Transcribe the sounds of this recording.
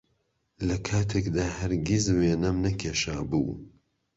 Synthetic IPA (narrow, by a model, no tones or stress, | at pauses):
lɐkʰaːt̪ʰekd̪aːhɐɾɡʲizweːnɐmnɐkʰʲeːʃaːbṵː